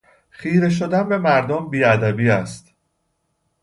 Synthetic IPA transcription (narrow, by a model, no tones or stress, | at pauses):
χiːɾe̞ʃ̬od̪ænbe̞mæɾd̪ombiːæd̪æbiːæst̪